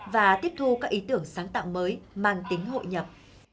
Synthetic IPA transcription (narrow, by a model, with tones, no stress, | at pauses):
vaː˨˩t̪i˦˥əp̚t̪ʰu˧kaː˦˥k̚ʔi˨˦t̪ɨ˧˩əŋsaː˨˦ŋt̪a̰ː˧˨wməː˨˦jmaː˨˩nt̪ï˨˦ŋ̟ɦo̰˧˨jɲə˨˩p̚